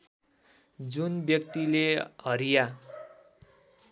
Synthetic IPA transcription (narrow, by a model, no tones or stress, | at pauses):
d͡zunbjʌk̚t̪ileɦʌɾija